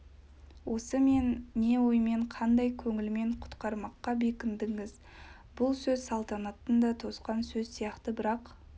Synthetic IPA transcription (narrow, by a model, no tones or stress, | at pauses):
wʔo̞səme̞nːe̞wojme̞ɴqʰɑnd̪ɑjkʲʰɵŋɪlme̞ɴqʰʊ̥t̪qɑɾmɑqːɑbe̞kʲɪnd̪ɪŋɪz | bʊlˠsɵzsɑlˠt̪ɑnɑt̪ənd̪ɑt̪ʰo̞sqɑnsɵzsijɑqt̪əbɪɾɑq